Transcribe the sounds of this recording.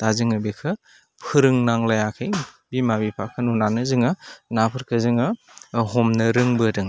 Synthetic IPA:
d̥azɯŋɯbikʰɯ | pʰɯɾɯŋnaŋlajakʰɯj | bimabipʰakʰɯnunanɯzɯŋɯnapʰɯɾkʰɯzɯŋɯɦɔmnɯɾɯŋbɯdɯŋ

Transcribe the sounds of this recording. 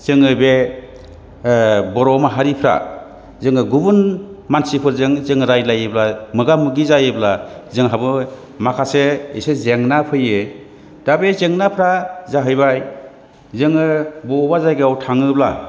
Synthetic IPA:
z̥ɯŋɯbe | bɔɾɔmaɦaɾipʰɾa̰ | zɯŋɯɡubunmansipʰɯɾzɯŋzɯŋɾajlajɯblamɯɡamɯɡizajɯblazɯŋɦabɯ | makʰaseḛsezeŋnapʰɯjɯ | d̥abezeŋnapʰɾazaɦɯjbaj | zɯŋɯbɔbazajɡɯawtʰaŋɯbla

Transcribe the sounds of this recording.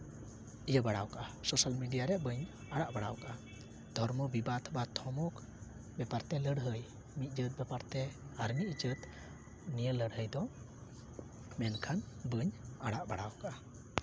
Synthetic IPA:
ijəbaɽawkaʔasɔsalmiɖijaɾɛbəɲ | aɽaʔbaɽa̰wkaʔa | d̪ʱɔɾmɔbibat̪ʰbat̪ʰɔmɔk | bɛpaɾt̪ɛləɽɦəj | mit̪̚ˀd͡ʒət̪̚bɛpaɾt̪ɛaɾmit̪̚d͡ʒət̪ | nijələɽɦəjd̪ɔ | mɛnkʰanbəɲaɽaʔbaɽawkaʔa

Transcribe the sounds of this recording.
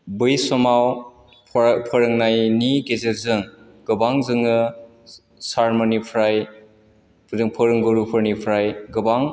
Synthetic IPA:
bɯjsɔmaw | pʰɔɾɯŋnajniɡezeɾzɯŋ | ɡɯbaŋzɯŋɯ | saɾmonipʰɾaj | pʰudɯŋpʰɯɾɯŋɡoɾupʰɯɾnipʰɾajɡɯbaŋ

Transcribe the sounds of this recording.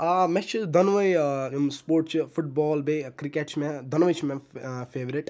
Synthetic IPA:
mɛt͡ʃʰid̪ɐnʋɐjmspoːɾʈ̚t͡ʃʰifuʈ̚bɔːlbekɾikeʈt͡ʃʰmɛ̃d̪ʱɐnʋɐjt͡ʃʰimɛ̃feːʋɾiʈ

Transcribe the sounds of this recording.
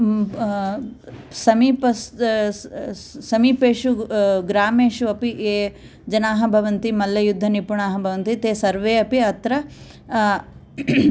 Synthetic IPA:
sɐmiːpɐs | sɐmiːpeːʃuɡɾaːmeːʃuɐpiʔeː | d͡ʒɐnaːɦɐbʱɐʋɐnt̪imɐlːɐjud̪ʱːɐnipuɳaːɦɐbʱɐʋɐnt̪it̪eːsɐɾʋeːɐpiɐt̪ɾɐ

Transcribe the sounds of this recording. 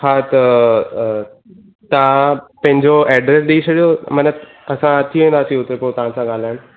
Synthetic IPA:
at̪ɐ | t̪ãpɐ̃ɦɪ̃ɲd͡ʑoɛːɖɾes̬ɗiit͡ɕʰɐɗijomɐnət̪ | ɐsãt̪ʰiʋẽːnd̪aːsĩʊt̪epot̪ɐɦãsãɠaːl̤aːɪɽ̃

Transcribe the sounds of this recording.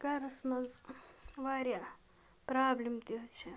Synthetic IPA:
ɡaɾɐsmɐz | ʋaːɾja | pɾaːblimt̪iɦt͡ʃʰe

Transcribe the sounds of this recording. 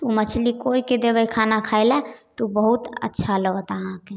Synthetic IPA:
umət͡ʃʰlikoiked̪ebəjkʰanakʰaelɛt̪ubəɦut̪ə̰tːʃʰaləɡət̪əɦãke

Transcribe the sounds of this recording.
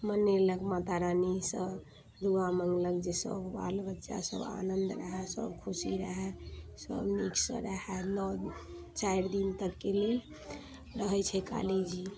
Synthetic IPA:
məneləɡmat̪aɾanisəb | d̪uaməŋɡləkd͡ʒesə̰bba̰lbətːʃa̰sə̰ba̰nənd̪ɾəɦɛsə̰bkʰusiɾəɦɛsə̰bniksə̰̃ɾəɦɛnɔ | t͡ʃajɾd̪int̪əkːele | ɾəɦɛt͡ʃʰɛka̰lid͡ʒi

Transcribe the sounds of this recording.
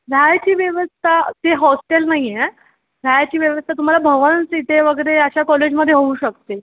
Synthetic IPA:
ɾʱjajt͡ɕiːʋjəʋəst̪ʰat̪eɦɔsʈelnaɦiɛ | ɾʱjajt͡ɕiːʋjəʋəst̪ʰat̪um̤alabʱəʋənsiʈ̪eʋəɡəɾeəɕakɔled͡ʑməd̪ʱːjeɦouːɕəkt̪e

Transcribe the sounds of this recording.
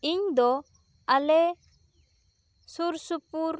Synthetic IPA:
iɲd̪ɔ | ɐlɛ | suɾsupuɾ

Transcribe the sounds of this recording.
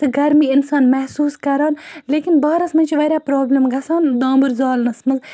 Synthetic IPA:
t̪ɨɡɐɾmiːɪnsaːnmɛhsuːskɐɾaːnleːkinbɐːɾɐsmɐnt͡ʃʰiʋɐɾʲaːpɾoːblʲɐmɡɐsaːnd̪ãːmbuɾzaːlnɐsmɐz

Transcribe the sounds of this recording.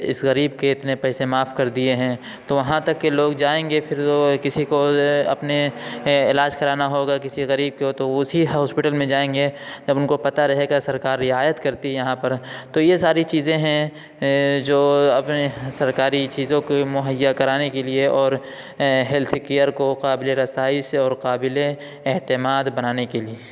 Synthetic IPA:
ɪ̰sɣɐɾiːbkeɪt̪nepɛːsemaːfkɐɾd̪ieɦɛ̃ː | t̪oʋɐɦãt̪ɐkːeloːɡd͡ʒaːẽːŋɡefʰɪɾokɪsikoɐ̰pneɪlaːd͡ʒkɐɾaːnaɦoːɡakɪsiɣɐɾiːb̚kot̪oʊsiɦɔːspɪʈəlmẽd͡ʒaːẽːŋɡed͡ʒɐbʊnkopɐt̪aɾɐɦeɡasɐɾkaːɾːɪaːjət̪kɐɾt̪iɦjɐɦãpɐɾt̪ojesaːɾit͡ʃiːzẽɦɛ̃ | d͡ʒoːɐpnesɐɾkaːɾit͡ʃiːzõkemʊɦəjːakɐɾaːnekelieʔɔːɾ | ɦɛlt̪ʰkejəɾkoqaːbɪleɾɐsaːɪsɔːɾqaːbɪleː | ɦt̪ɪmaːd̪bɐnaːnekelieː

